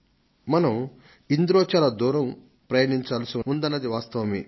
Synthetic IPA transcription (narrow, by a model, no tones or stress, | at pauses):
mɐnɐm | ind̪ɾɔːt͡ʃaːlɐd̪uːɾɐm | pɾɐjɐniɲt͡ʃaːlɐsiund̪ɐnːɐd̪iʋaːst̪ɐʋɐmi